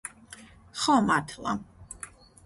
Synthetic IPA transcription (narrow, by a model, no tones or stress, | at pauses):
χɔmaɾt̪ʰlˠa̰